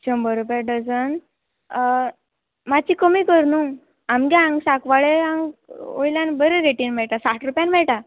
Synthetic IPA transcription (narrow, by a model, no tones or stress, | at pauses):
t͡ɕəmbəɾupjaɖəd͡zən | mat͡ɕiːkəmiːkəɾnũ | amɡɛãŋɡsakʋaɭeãŋɡo̰jljãnbəɾeɾeʈiːnmɛɭʈasaʈʰɾupjanmɛɭʈa